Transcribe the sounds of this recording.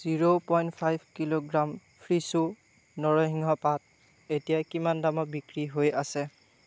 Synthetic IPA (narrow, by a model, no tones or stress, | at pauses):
z̥iɹopɔjntpʰajbʱkiloɡɹam | pʰɹisu | nɔɹɔɦiŋɦɔpat̚ | etijakimandamɔbikɹiɦojasɛ